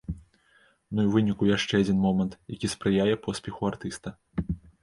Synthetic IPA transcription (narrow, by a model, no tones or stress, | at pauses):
nuiwvɨnʲikujaʂt͡ʂɛad͡zʲinmɔmɐnt̪jakʲispɾɨjajɛpɔsʲpʲɛxuart̪ɨst̪ɐ